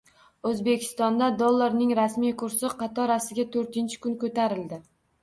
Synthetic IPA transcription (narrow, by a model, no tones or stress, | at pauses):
ɵzbe̞kʲʰɪ̥st̪ɒnd̪ad̪olˠːaɾnɪŋɾasmijkʰʊɾsɪqʰɑt̪ʰɒɾasɪɡʲat̪ʰɵɾt̪ɪnt͡ʃʰɪ̥kʊnkɵt̪aɾɪld̪ɪ